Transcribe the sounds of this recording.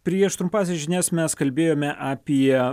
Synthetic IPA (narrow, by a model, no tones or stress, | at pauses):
pʲɾʲiɛʃt̪ɾʊmpɑːsʲɛʒʲɪnʲɛsmʲɛskɐlʲbʲeːjoːmʲɛʔɑpʲiɛ